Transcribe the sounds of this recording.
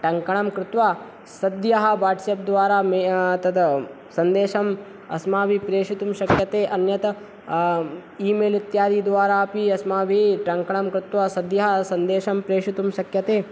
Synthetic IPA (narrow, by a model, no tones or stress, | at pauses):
ʈɐŋkɐɳɐmkɾɪt̪ʋaː | sɐd̪jɐɦɐ̆ʋaːɾʈsep̚d̪ʋaːɾaːmet̪ɐd̪ | sɐnd̪eːʃɐm | ɐ̰smaːbʱipɾeːʃit̪umʃɐkjɐt̪eːʔɐnjɐt̪ɐ | iːmeːlit̪jaːd̪iːd̪ʋaːɾaːɐpiɐsmaːbʱiʈɐŋkɐɳ̃ɐmkɾɪt̪ʋaːsɐd̪jɐɦɐsɐnd̪eːʃɐmpɾeːʂit̪umʃɐkjɐt̪eː